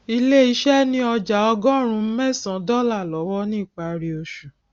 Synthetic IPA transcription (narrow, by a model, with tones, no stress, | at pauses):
i˧le˦i˧ʃɛ˦nĩ˦ɔ˧d͡ʒa˨˦ɔ˧ɡɔ̃˦˨ɾ̃ũ˧m̩˦mɛ̃˦˨sã˨˦dɔ˦la˦˨lɔ˨˦wɔ˦nĩ˦˨k͡pa˨ɾi˧o˧ʃu˨